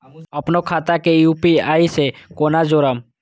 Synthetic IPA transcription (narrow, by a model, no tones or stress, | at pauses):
əpnokʰaːt̪akejuːpiaːisekoːnad͡ʒoːɾəm